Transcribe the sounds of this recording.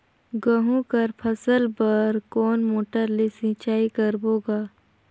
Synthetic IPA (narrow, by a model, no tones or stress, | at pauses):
ɡəɦũkəɾpʰəsəlbɐɾkɔːnmoːʈəɾlesĩːt͡ʃaːikəɾboːɡaː